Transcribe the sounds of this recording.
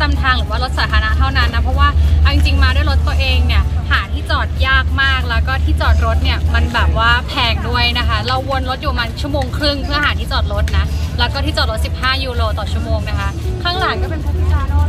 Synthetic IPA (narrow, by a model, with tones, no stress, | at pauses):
t̪a˧mt̪ʰaː˧ŋɾɯː˨˩˦waː˥˩ɾo˦t̪̚saː˩˦t̪ʰaː˧na˦˥t̪ʰa˥˩wna˦˥˩nːa˦˥pʰɾɔ˦˥waː˥˩ʔa˧wʔi˧ŋt͡ɕi˧ŋmaː˧du˥˩ə˨jɾo˦˥t̪ːu˧ɐʔeː˧ŋni˥˩ɐhaː˩˦t̪ʰiː˥˩t͡ɕɔː˨˩t̪̚jaː˥˩k̚maː˥˩k̚lɛː˦˥wkɔː˥˩t̪ʰiː˥˩t͡ɕɔː˨˩t̪̚ɾo˦˥t̪̚ni˥˩ɐma˧nbɛː˨˩p̚waː˥˩pʰɛː˧ŋdu˥˩əjna˦˥kʰa˦˥ɾa˧wːo˧nɾo˦˥t̪̚juː˨˩maː˧t͡ɕʰu˥˩moː˧ŋkʰɾɯ˥˩ŋpʰɯ˥˩ɐhaː˨˩˦t̪ʰiː˥˩t͡ɕɔː˨˩t̪̚ɾo˦˥t̪̚na˦˥lɛː˦˥wkɔː˥t̪ʰiː˥˩t͡ɕɔ˨˩ɾo˦˥t̪̚si˨˩p̚haː˥˩juː˧loː˧t̪ɔː˨˩t͡ɕʰu˥˩əmoː˧ŋna˦˥kʰa˦˥kʰaː˥˩ŋlaː˨˩ŋk̪a˧˩pe˧nkʰo˧˩aː˩˧˩